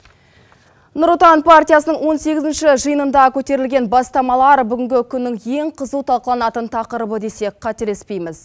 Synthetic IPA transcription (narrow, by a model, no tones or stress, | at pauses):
nʊɾʊt̪ɑnpʰart̪ʲijasənəɴwo̞nse̞ɡʲɪzɪnʃɪʒəjənənd̪ɑkʲʰɵt̪e̞ɾɪlɡʲe̞nbɑst̪ɑmɑlˠɑɾbʏɡʲɪŋɡʲɪkʲʰʏnːɪŋje̞ɴqʰəzuwt̪ʰɑlˠqəlˠɑnɑt̪ənt̪ʰɑqəɾəbəd̪e̞se̞kqʰɑt̪elespe̞jmɪz̥